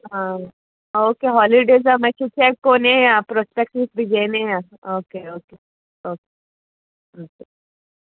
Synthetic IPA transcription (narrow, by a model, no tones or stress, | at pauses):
ɦã | oːkeɦɔliɖeːzamɐt͡ʃʰut̪ʰiakoːnejapɾospek̚ʈis̚bʱid͡ʒeneja | oːkeoːke | oːke̥ | oːke